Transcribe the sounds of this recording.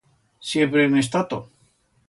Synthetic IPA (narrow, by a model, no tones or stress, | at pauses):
sjempɾenes̬t̪at̪o